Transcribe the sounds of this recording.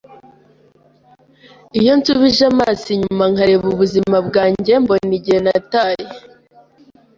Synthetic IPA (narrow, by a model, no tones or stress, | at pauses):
ijo̞nt͡suβiʒamaːsiɲumaŋ̥aɾe̞βuβuzimabɡaːɲɟe̞mbo̞niɟihenataːɾe